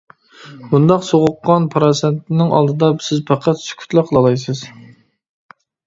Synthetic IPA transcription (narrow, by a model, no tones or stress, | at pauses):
bund̪ɑqsoʁʊqːɑnpʰɾɑsent̪ɪnɪŋɑ̰lˠd̪ɨd̪ɑsɪzpʰɑqʰɑt̪sy̥kʲʰy̥t̪lˠæqʰlˠɑlˠɑjs̬ɨz̥